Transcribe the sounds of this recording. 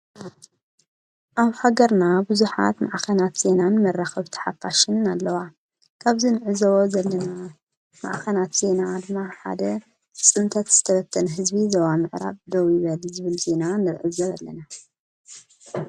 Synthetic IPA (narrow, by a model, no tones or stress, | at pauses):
ʔaβhaɡɐɾnabɨzuħa̰t̪ma̰ʕkʰɐnat̪z̥e̞nanmɐrːaxɐβt̪ʰɨ̥ħafaʃɪnnalːɐwa | kʰaβzinɨʕɨzɐwozɐlːɐna | ma̰ʔxʰɐnat̪z̥e̞nad̪ɨmːaħa̰d̪ɐ | t͡sʼɨnt̪ʰɐt̪z̥ɨt̪ʰɐβɐt̪ʰːɐnɦɨzbizɐwamɨʕɾa̰βd̪owjɪβɐlzɨβɨlze̞nanɨɾʕɨ̰zɐlːɐ̰na